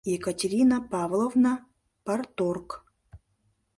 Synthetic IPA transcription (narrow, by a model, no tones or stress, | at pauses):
jɛkɐtʲɪɾʲinapavlˠovna | part̪ork